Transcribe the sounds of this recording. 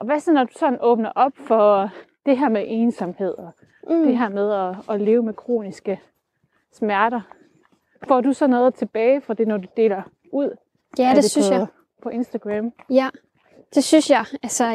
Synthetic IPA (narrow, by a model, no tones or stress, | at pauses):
ʔɒ̽ʋæsɒnːɒd̥usɒ̥̽n̩ɔ̽ːb̥nɐʔɒ̽b̥fɒ̽ | d̥e̝ɦæɐ̰meʔe̝ːnsɒ̽mhe̝ð̞̰ˠɒ̽ | d̥e̝ɦæɐmeð̞ˠɒ̽ːle̝ːʊmekʰʁo̝̰ːnisɡ̥ə | smæɐɾɐ | fɒ̰ːdusɒ̽nːɔ̽ːðˠt͡sʰe̝b̥ɛːɪfɒ̽d̥e̝nɒd̥ud̥e̝̰ːlɐ | uð̞̰ˠ | æede | pʰɒ̽ʔe̝nsd̥æɡ̥ʁæmæ | d̥e̝synsjɑɪælsɐ